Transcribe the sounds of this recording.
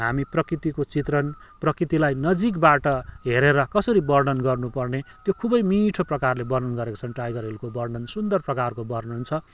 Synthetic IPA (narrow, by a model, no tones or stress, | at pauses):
ɦamiprʌkrit̪ikot͡sit̪rʌn | prʌkrit̪ilajnʌd͡zik̬baʈʌɦeɾeɾʌkʌsʌɾibʌrɖʌnɡʌrnupʌrnet̪jokʰubʌjmiʈʰoprʌkarlebʌrd̪ʌnɡʌɾeko̥t͡sʰʌnʈrajɡʌrɦelkobʌrɖʌnsund̪ʌrprʌkarkobʌrnɦunt͡sʰʌ